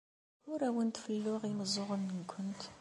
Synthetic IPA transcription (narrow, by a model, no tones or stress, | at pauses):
ʊɾæwənt̪fəlːʊʁiməzˤʊʁənːənkʰʷːʊnt̪